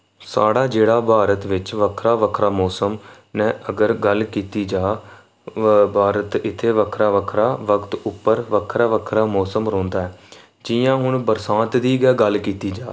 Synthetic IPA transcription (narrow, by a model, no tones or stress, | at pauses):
saːɽaːd͡ʒeːɽaːbʱaːɾət̪ʋɪt͡ʃʋəkʰɾaːʋəkʰɾaːmɔːsəm | nɛ̃ːʔəɡəɾɡəlkiːt̪iːd͡ʒaː | bʱaːɾət̪ɪt̪ʰːeːʋəkʰɾaːʋəkʰɾaːʋəkʰt̪ʊpːəɾʋəkʰɾaːʋəkʰɾaːmɔːsəmɾõːnd̪aːɛː | d͡ʒɪjãːɦʊɳbəɾsãːt̪d̪iːɡɛːɡəlkiːt̪iːd͡ʒaː